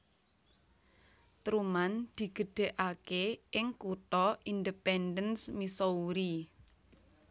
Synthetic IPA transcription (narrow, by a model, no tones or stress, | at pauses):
t̪ɾumand̪̥i̤ɡ̥ə̤ɖ̥e̤ʔakeʔɪŋkut̪ɔind̪əpɛndənsmisɔuɾi